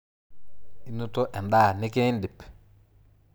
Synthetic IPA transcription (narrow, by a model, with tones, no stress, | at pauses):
i˦nu˦to˦ʔɛ˨ndaː˦˨nɪ˦ke˦ndi˨p